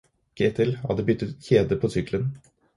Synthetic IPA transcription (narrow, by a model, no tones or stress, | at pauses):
kʰeːt̪ʰɪlhɑ̰d̪əbʏt̪ːət̪çeːd̪əpʰoːsʏklən